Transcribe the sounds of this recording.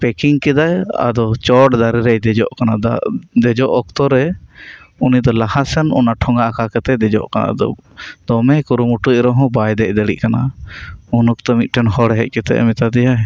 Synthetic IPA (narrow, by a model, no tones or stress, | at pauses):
pɛkiŋkɛd̪aja̰d̪ɔt͡ʃɔʈd̪aɾiɾɛd̪ɛd͡ʒɔ̰ʔkanad̪ɛd͡ʒɔʔɔkt̪ɔɾɛ | unid̪ɔlahasɛnɔ̰naʈʰɔŋɡaʔkakɛt̪ɛd̪ɛd͡ʒɔ̰ʔkana̰d̪ɔ̰d̪̥ɔmɛkuɾumuʈuʔ̚ɾɔɦɔ̃bajd̪ɛʔd̪əɽḭʔkana | unɔkt̪ɔmic̪̚ˀʈɛnɦɔɽɛɦɛc̚ˀkɛt̪ɛ̰ʔɛ̰mit̪ad̪ɛjaɦ